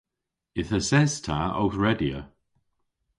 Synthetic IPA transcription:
ɪθəsɛz̥tʰa̰ɔ̰wθɹɛdiə̰

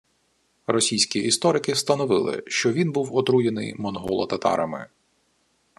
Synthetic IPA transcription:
rɔsʲijsʲkʲiist̪ɔɾɪkɪst̪ɐnɔʋɪlˠɪ̰ʃt͡ʃɔʋʲinbuwɔt̪ɾujenɪ̰jmɔnɦɔ̰lˠɔ̰t̪ɐt̪ɑ̰ɾɐmɪ̰

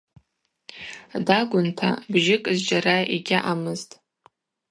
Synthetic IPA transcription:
daɡʷʊntʰa̰bʒɪkʼzd͡ʒaɾaeɡʲɪʔamɨztʼ

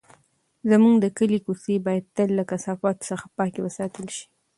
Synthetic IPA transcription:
zamuɡd̪əkəlikusebɑjad̪̚t̪əlːakasɑfɑt̪səxḁpɑkewəsɑt̪əlʃi̥

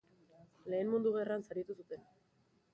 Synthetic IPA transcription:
le̞ːnmund̪uɣe̞ransaɾit̪usut̪e̞n

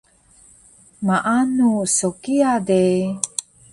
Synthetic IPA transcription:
maʔanusokiade

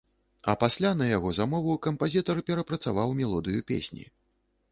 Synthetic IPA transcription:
ɐ̰pasʲlʲanɐjaɣɔzamɔvukɐmpazʲit̪ɐrpʲɛɾɐpɾɐt̪savawmʲɛlˠɔd̪ɨjupʲḛsʲnʲḭ

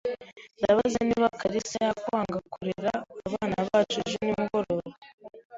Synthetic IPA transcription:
ndaβazeniβakaɾisajakaːŋɡakuɾiɾaːβaːnaβaːt͡ʃuʒunimuɡo̞ɾoɾo

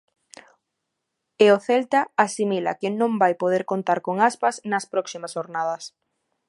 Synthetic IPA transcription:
eoθɛlt̪aasimila̰kɪnõŋbajpoð̞eɾkont̪aɾkoŋaspɐznɐspɾɔksimɐsʃoɾnað̞ɐs

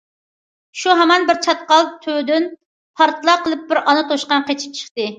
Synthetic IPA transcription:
ʃuɦɛmɛnbɪɾt͡ʃʰɑt̪̚qɑlˠt̪ʰød̪yn | pʰɑɾt̪ʰɨlˠɑqʰəlˠɨp̚bɪɾɑnɨt̪ʰoʃqɑnqet͡ʃʰi̥p̚t͡ʃʰə̥χt̪ɨ

